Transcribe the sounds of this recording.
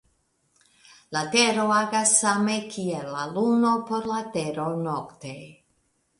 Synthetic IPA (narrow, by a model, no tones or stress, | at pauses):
lat̪eɾoaɡasamekʰielalunopoɾlat̪eɾonokt̪e